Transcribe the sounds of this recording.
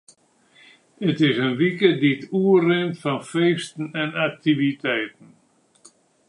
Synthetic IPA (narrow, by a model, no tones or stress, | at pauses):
ətɪsənʋikədituːərɪntfɔnfeːstn̩ɛnak̚tivitɛjt̚n̩